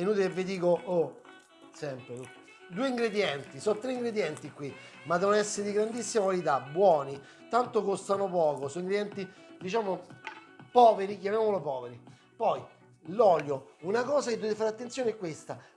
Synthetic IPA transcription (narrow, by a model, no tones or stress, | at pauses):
venuːt̪ilevːed̪iːkoo | sɛmpɾeu | d̪uːeiŋɡɾed̪jɛnt̪isɔt̪ːɾeiŋɡɾed̪jɛnt̪ikːwi | mad̪ɛvonɛsːeɾed̪iɡɾand̪isːimakwalit̪abːwɔːni | t̪ant̪okost̪anopɔːkosɔnĩŋɡɾed̪jɛnt̪id̪it͡ʃaːmo | pɔːveɾik̬jamjamolopɔːveɾi | pɔj | lɔljounakɔːzaked̪uevefaɾat̪ːentsjoːneɛkːwest̪a